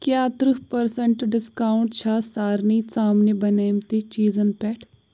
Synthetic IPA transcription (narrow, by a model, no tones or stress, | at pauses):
kjat̪ɾuɦpɐɾsəɳʈɖɪskãːɳʈt͡ʃʰaːsaːɾnisaːmnebɐnaːjmt̪et͡ʃiːzənpɛːʈʰ